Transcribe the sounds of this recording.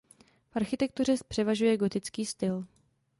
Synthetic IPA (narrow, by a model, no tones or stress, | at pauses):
fʔaɾxɪt̪ɛk̚t̪ur̝ɛpr̥ɛvaʒujɛɡo̞t̪ɪt͡skiːst̪ɪl